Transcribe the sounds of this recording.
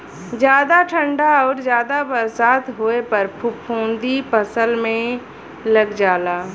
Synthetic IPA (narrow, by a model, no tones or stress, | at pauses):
d͡ʒjaːd̪aʈʰə̃ɳɖaɔːɾzjaːd̪abɐɾsaːt̪ɦoepɐɾpʰʊpʰõːnd̪ipəsəlmẽ | lɐɡd͡ʒaːlaː